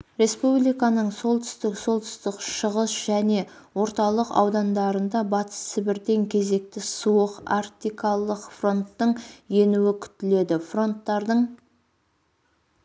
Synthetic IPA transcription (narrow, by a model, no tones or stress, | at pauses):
ɾe̞spublijkɑnəɴso̞lˠt̪ʰʏ̥st̪ɪkso̞lˠt̪ʏ̥st̪ɪkʃəʁəsʒ̥æne̞ | wo̞ɾt̪ɑlˠəqɑ̰wd̪ɑnd̪ɑɾənd̪ɑbɑt̪ə̥sːɪbɪɾd̪e̞ŋkʲʰe̞ze̞k̚t̪ɪsuwəqart̪ijkɑlˠəqfro̞nt̪ːəɴje̞nuɪkʲʰʏ̥t̪ɪle̞d̪ɪfro̞nt̪ːɑɾd̪əɴ